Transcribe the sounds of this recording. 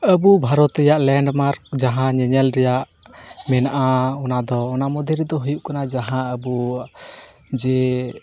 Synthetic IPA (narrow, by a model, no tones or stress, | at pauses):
əbubʱaɾɔt̪ɛjaʔlɛɳɖmaɾk̚d͡ʒaɦãɲɛɲɛlɾɛjaʔ | mɛnaʔaɔnad̪ɔːnamɔd̪ʱɛɾɛd̪ɔɦujuʔkanad͡ʒaɦãəbu | d͡ʒɛ